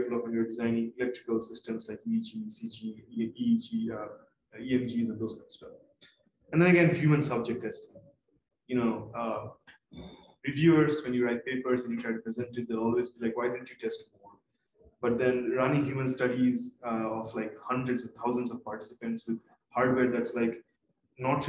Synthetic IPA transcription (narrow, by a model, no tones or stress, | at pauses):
efl̩ɔkʋɛ̃njuəɖɪzãɪ̃nɪ̃ŋɪlɛk̚ʈɾɪkəlsɪsʈə̃mslaɪkid͡ʒisid͡ʒiid͡ʒiʌ | iɛ̃md͡ʒiːzɛ̃nd̪oːz̥kãɪ̃nstʌf | ɛ̃nd̪ɛ̃ñəɡɛ̃nhjuːmə̃nsʌb̚d͡ʒɛk̚ʈːɛsʈɪ̃ŋ | junoːʌ | ɾɪʋjuːəɾzʋɛ̃njuɾaɪt̚peːpəɾzɛ̃njuʈʰɾaɪʈupɾɪzɛ̃ɳʈɪʈ̚d̪elɔːlʋeːzbilaɪkwaɪdɪdⁿn̩tjuʈɛsʈɡoɔ̃n | b̥ʌʈ̚d̪ɛ̃nɾʌnɪ̃ŋɦjuːmə̃nsʈʌɖizʌɔflaɪkhʌ̃ɳdɾəɖsɔʋt̪ʰaʊzə̃nsɔv̥paːɾʈɪ̥sɪpə̃ɳʈswɪd | haːɾɖweːɾd̪æʈslaɪk | nɔʈ